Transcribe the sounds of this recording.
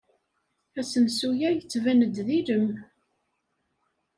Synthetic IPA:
æsənsujæjət͡sːvænəd̪ðiɾəm

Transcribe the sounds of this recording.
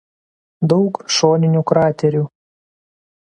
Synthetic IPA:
d̪ɒʊkʃoːnʲɪnʲuːˑkɾɑːt̪ʲɛɾʲuː

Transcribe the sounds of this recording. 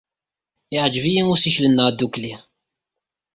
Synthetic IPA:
ɪʕd͡ʒvijiŋʊɾsiçlənːəʁd̪ːukli

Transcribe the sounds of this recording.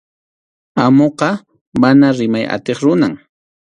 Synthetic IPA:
amoqɑ | manaɾɪmaja̰t̪eχɾʊnaŋ

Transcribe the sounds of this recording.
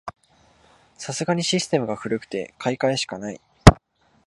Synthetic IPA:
sasɨɡaɲ̟iɕisɨ̥t̪e̞mɯ̟ɡaɸɯ̟ɾɯ̟kɯ̟̥t̪e̞̰kʰaikaeɕi̥kanaḭ

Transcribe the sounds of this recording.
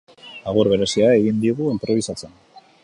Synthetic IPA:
aɣ̞uɾβe̞ɾe̞siae̞ɣind̪iɣuimpɾo̞β̞isat͡se̞n

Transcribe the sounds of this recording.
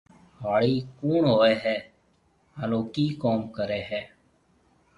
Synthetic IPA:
ʋaːɭiːkuːɳɦoːeːɦɛː | alõːkiːkoːmkəɾeːɦɛː

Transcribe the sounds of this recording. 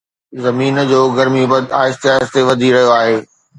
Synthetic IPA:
zɐmiːnd͡ʑoːɡɐɾmibɐd̪aːɪst̪ɪjaːzt̪eʋɐd̪ʱiɾɐɦijoaːɦeː

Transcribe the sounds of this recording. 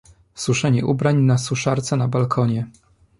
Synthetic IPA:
suʂɛɲɛʔubɾaɲnasuʂaɾt̪sɛnabalkʰɔɲɛ

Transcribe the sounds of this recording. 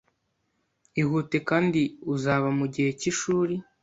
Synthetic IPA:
ihuːte̞kaːndiuzaβamuɟihe̞ciʃuːɾi

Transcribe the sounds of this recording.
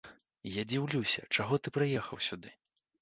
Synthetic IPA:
jad͡zʲiwlʲusʲɐ̰t͡ʂaɣɔt̪ɨpɾɨjɛxɐwsʲud̪ɨ

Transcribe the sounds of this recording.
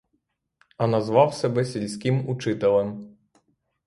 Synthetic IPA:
ɐnɐzʋɑwsɛbɛsʲilʲsʲkʲɪmut͡ʂɪt̪ɛlˠɛm

